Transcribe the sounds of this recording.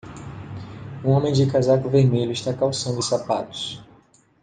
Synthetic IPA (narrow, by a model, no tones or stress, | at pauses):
ũõmẽj̃d͡ʒɪkazakʊveɾmeʎʊiʃt̪akawsɐ̃nd̪ʊɪsapat̪ʊ̥s